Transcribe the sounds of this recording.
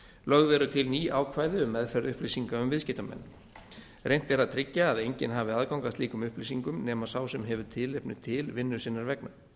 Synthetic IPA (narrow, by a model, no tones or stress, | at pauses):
lœɣvɛɾʏt̪ʰɪlniːʔaːwkʰvaːjðɪʏmːɛðfɛɾðʏhplisiŋkaʏmvɪðscɪht̪amɛ̰nː | rejn̥t̪ɛɾaðt̪ʰɾɪcːaːðejɲcɪnɦaːvɪaðkawŋkaðst̪iːkʏmʏhplisiŋkʏmnɛːmaðsaːwsɛmɦɛvʏ̥t̪ʰɪlɪpnʏt̪ʰɪlvɪnːʏɾ̥sɪnːaɾvɛkna